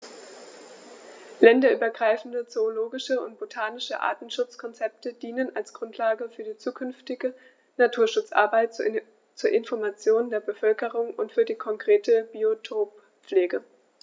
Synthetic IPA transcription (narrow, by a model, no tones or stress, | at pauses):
lɛndɐʔyːbɐɡʁaɪfn̩dət͡soːloːɡɪʃəʊ̰nt̚b̥otʰaːnɪʃəʔa̰ːtn̩ʃʊt͡skʰɔnt͡sɛp̚təd̥iːnənalsɡ̥ʁʊntʰlaːɡəfyːɐdiːt͡suːkʰʏnftɪɡə | natʰuːɐʃʊt͡sʔa̰ɐbaɪt | t͡suːɐʔɪnfɔɐmat͡sjoːndeːɐbəfœlkəʁʊŋʊntfyːɐdiːkʰɔŋkʁ̥eːtəbiotʰoːp | p͡fleːɡə